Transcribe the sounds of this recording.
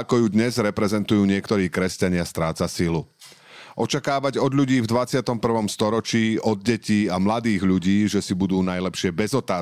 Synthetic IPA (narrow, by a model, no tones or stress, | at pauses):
kɔjud̪ɲɛzɾɛpɾɛzɛnt̪ujuːɲɪɛkt̪ɔɾiːkɾɛscaɲɪast̪ɾaːt͡sasilu | ʔɔt͡ʃakaːʋaɟɔd̪ʎuɟiːvd̪ʋat͡sɪat̪ɔmpr̩ʋɔmst̪ɔɾɔt͡ʃiːʔɔd̪̚ɟɛciːamlad̪iːɣʎuɟiːʒɛsibud̪uːnajlɛpʃɪɛbɛzɔt̪aː